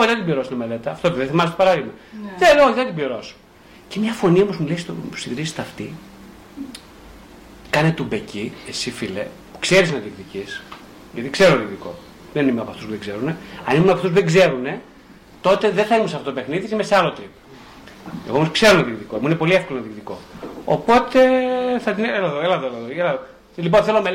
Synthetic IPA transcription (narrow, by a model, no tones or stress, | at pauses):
oðɐt̪ibioɾosnɐmele̞t̪ɐːft̪ot̪eðeθimɐsest̪opɐɾɐðiɣmɐðeoθɐt̪ibliɾo̞s | cemɲɐfo̞niomo̞zmuleist̪o̰siðɾiset̪ɐft̪i | kɐnet̪ubeciesifilḛ | pu̥kse̞ɾisnɐt̪ðikt̪icis | ʝɐt̪ikse̞ɾoðikðiko̞̰ | ðenimeɐpoɐft̪uspuðeɡzeɾuneɐnimunɐpɐft̪usp̬uðeɡzeɾune̞ | t̪o̞t̪e̞ðeθɐimunsɐft̪ot̪opexniðisimeseɐlo̞t̪ɾip | eɣoomoskse̞ɾonɐðikt̪iko̞imuninepo̞liefkolonðikt̪iko̞̰opo̞t̪e̞θɐt̪ineelɐðoelɐðoelɐðolɐðo | liponθelome